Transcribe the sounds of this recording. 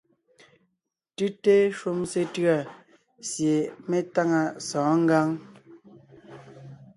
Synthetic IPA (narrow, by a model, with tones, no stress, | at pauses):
tʉ˦te˦ʃu˦mse˦tɰa˦˨ | sje˨me˦ta˦ŋa˦˨sɔ̃ː˨˦ŋ̩˦ɡa˦ŋ